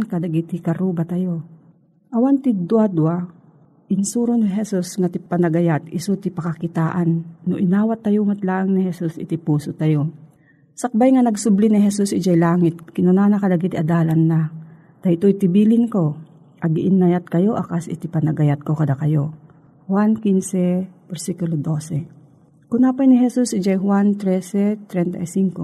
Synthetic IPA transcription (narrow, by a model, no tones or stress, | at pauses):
kad̪aɡit̪ɪkɐɾubat̪ɐjo | ʔɐwant̪ɪd̪wad̪wa | ʔɪnsuːɾonɪɦɛsusŋat̪ɪpɐnɐɡɐjat̪ɪsut̪ɪpɐkakɪt̪aːʔanːoʔɪnaːwat̪ːɐjoŋat̪laːʔaŋnɪhɛsusɪ̰t̪ɪpuːsʊt̪ajo | sɐk̚bajŋanɐɡsʊblinɪɦɛsusʔɪd͡ʒajlaːŋɪt̪̚kɪnʊnaːnakɐlaɡit̪ɪʔɐd̪aːlɐnːa | d̪̥ɐt̪ojt̪ɪbiːlɪŋko̞ | ʔɐɡiʔɪnːajat̪̚kɐjo̞ʔɐkasɪ̰t̪ɪpɐnɐɡɐjat̪̚ko̞kɐd̪akɐjo̞ | hwankinsɛbɛɾsikulod̪o̞sɛ | kʊnapajnɪɦɛsusʔɪd͡ʒajhwant̪ɾɛsɛt̪ɾɛnt̪ɐ̰jsiŋko